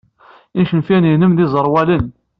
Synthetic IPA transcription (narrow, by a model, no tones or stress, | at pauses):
inʃənfæninəmðizˤəɾˤwælən